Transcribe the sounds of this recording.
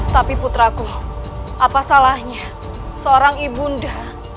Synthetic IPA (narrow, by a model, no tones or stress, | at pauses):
t̪apiput̪ɾaɡɔʔapasalahɲa | səoɾaŋibunda